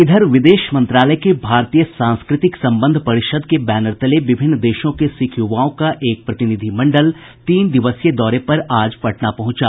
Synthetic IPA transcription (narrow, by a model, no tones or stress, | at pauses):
ɪd̪ʱəɾʋɪd̪eːʃmɐ̃nt̪ɾaːləjkebʱaːɾt̪iːjəsãːnskɾɪt̪ɪksɐ̃mbə̃nd̪ʱpɐɾɪʃəd̪̚kebɛːnəɾt̪əleʋɪbʱɪnːd̪eːʃõkesɪkʰjuʋaːõkaʔeːk̚pɾɐt̪ɪnɪd̪ʱimɐ̃ɳɖəl | t̪iːnd̪ɪʋəsjed̪ɔːɾepɐɾaːd͡ʒpɐʈnapɐɦʊ̃t͡ʃa̰ː